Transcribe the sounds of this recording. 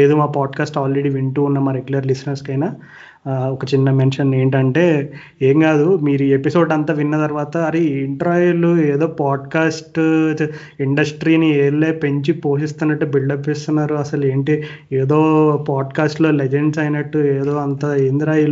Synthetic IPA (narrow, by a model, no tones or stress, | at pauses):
leːd̪umaːpaːɖkaːsʈaːlɾe̞ɽiːʋiɳʈuːunːɐmaːɾeɡulɐɾlisɐnɐɾskɐjnaː | ɔkɐt͡ʃinːɐmenʂɐne̞ːɳʈɐɳʈe̞ː | eːŋkaːd̪umiːɾuepiso̞ːɖɐnt̪aːʋinːɐt̪ɐɾʋaːt̪ɐːɾiːɳʈɐɾaːjulueːd̪o̞ːpaːɖ̚kaːsʈ | iɳɖɐsʈɾiːnieːɭleːpeɲt͡ʃipo̞ːʂist̪unːɐʈːubiɭɖɐpʋeːst̪unːaːɾuɐsɐle̞ːɳʈi | eːd̪o̞ːpaːɖkaːsʈlo̞ːled͡ʒeɳɖsɐjnɐʈːueːd̪o̞ːɐnt̪aːeːnd̪iɾaːjul